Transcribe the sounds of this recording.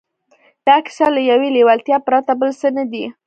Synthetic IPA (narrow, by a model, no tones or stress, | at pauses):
d̪̥ɑkɪ̥salajawelewalt̪jɑpɾat̪abəlsənad̪i